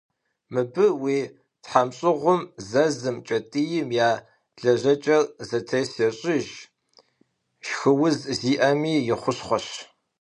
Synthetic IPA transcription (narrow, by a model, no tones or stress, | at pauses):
mɨbɨwiː | tħamɕʼɪʁʷʊmzɐzɨmt͡ʃʼɐtʼijɪmjaː | ɮɐʑɐt͡ʃʼɐrzɐtʰesɐɕʼɪʒ | ʃxɨwʊzziːʔɐmiːjɪχʷʊɕχʷɔɕ